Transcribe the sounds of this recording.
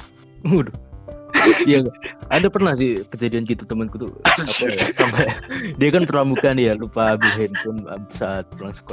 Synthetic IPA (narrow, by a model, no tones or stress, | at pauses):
udʊh | jaadapərnahsɪhkəd͡ʒadiankit̪at̪əmənkut̪ṵapasampɛdiakanpəɾamukanjalupaːbɪlɦɛnt̪ʊna̰bɪsaat̪̚kulaŋsə̥ko